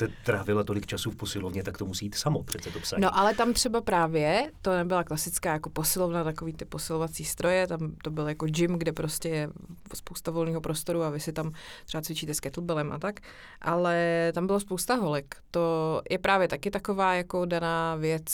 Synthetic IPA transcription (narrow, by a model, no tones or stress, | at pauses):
t̪ɛt̪ɾaːvɪlat̪o̞lɪkt͡ʃasufposɪlovɲɛt̪akt̪omusiːt̪samopr̝̥ɛt̪sɛt̪opsanoʔalɛt̪amt̪r̝̥ɛbapɾaːvjɛt̪o̞nɛbɪlaklasɪt͡skaːjako̞po̞sɪlovnat̪ako̞viːt̪ɪposɪlovat͡siːst̪ɾo̞jɛt̪amt̪o̞bɪljakod͡ʒɪmɡdɛpɾoscɛjɛ | spo̞wst̪avo̞lniːɦo̞pɾost̪o̞ɾuavɪsɪt̪amt̪r̥ɛbat͡svɪt͡ʃiːt̪ɛskɛt̪l̩bɛlɛmʔa̰t̪ak | ʔalɛt̪ambɪlaspowst̪aɦo̞lɛkt̪o̞jʔɛpɾaːvjɛt̪akɪt̪ako̞vaːjako̞danaːvjɛt͡s